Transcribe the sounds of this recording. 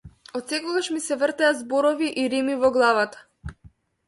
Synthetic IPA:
ɔt̪sɛkɔɡaʃmisɛvr̩t̪ɛazbɔɾɔviʔiɾimivɔɡlˠavat̪ḁ

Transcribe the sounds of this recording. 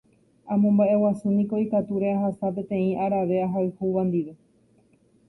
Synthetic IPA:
ãmõmbaʔe̞wasunĩko̞ikat̪uɾe̞aɦasap̬ẽ̞t̪ẽ̞ĩʔaɾaʋe̞aɦaɨhuʋãnd̪iʋe̞

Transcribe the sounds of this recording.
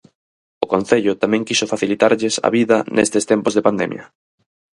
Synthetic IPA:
ʊkõn̟θeʎʊt̪amɛ̃ŋkisʊfaθilit̪aɾʎɪsɐ̰βiðɐnʔest̪est̪ɛmpʊzðepand̪ɛ̰mjɐ̰

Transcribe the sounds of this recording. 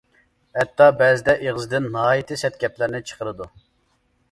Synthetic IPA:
hɛt̪ːɑbɛzɪd̪ɛʔeʁəzɨd̪ɪnːɦɑːjit̪ʰɨsɛt̪̚kʲɛplɪɾnɪt͡ʃʰə̥qʰəɾɨd̪u

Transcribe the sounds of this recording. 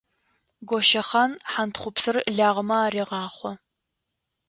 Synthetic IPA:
ɡʷɔʃɐχɐnħantχʷʊpsɨrɮaːʁəmɐaːreːʁɑːχʷɔ

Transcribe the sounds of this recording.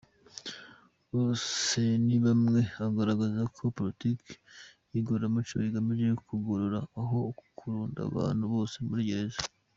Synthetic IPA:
βo̞ːse̞niβamŋe̞aɡaɾaɡazakʰo̞politikjiɡoɾamut͡ʃṵiɡamiʒekkuɡoɾoɾaːɦo̞kʰuɾuːnda̰βa̰ːnhuβo̞ːse̞muɾiɟeɾeza

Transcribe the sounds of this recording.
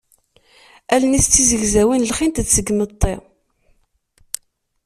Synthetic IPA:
ælənist͡sːizəʝzæwinlχint̪t͡sːəɡmət̪ˤːi

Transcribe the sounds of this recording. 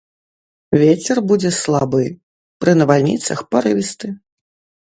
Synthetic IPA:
vʲet͡sʲɛrbud͡zʲɛslˠabɨ | pɾɨnɐvalʲnʲḭt̪sɐxpɐɾɨvʲist̪ɨ

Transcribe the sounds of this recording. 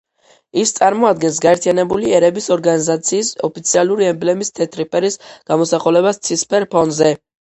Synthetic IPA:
ist̪sʼaɾmɔad̪ɡɛns̬ɡaɛɾt̪ʰianɛbuliɛɾɛbisɔɾɡanizat̪sʰiːsɔpʰit̪sʰialˠuɾiɛmblɛmist̪ʰɛt̪ʰɾipʼɛɾisɡ̥amɔsaχulɛβast̪sʰispʰɛɾpʰɔnzɛ

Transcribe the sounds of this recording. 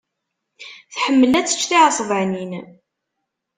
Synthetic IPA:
θħəmːəlæt͡sːə̥t͡ʃːθiʕəsˤvəʕnin

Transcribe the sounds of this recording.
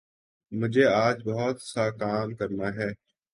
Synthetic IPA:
mʊd͡ʒʱeːaːd͡ʒbəɦɔt̪saːkaːmkəɾnaːɦɛː

